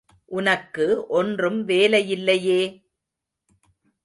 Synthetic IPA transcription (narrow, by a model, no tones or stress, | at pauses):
ʔʊnɐkːɯʔɔndrɯmʋeːlɐjɪlːɐjeː